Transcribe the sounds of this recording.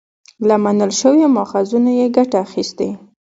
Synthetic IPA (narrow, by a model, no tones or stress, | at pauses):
lamanəlʃəwjamɑxazunajeɡaʈaːxist̪e